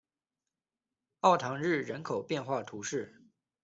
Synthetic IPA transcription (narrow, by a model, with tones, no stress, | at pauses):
ɑ˥˩ʊt̪ʰɑ˧˥ŋɻɻ̩˥˩ɻə˧˥nkʰo˨˩ʊpjɛ˥˧nxwa˥˩t̪ʰu˧˥ʂɻ̩˥˩